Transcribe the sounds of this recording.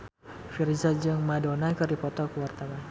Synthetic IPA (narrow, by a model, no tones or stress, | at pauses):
firzad͡ʒɨŋmadonakɨrdipɔt̪ɔkəwart̪awan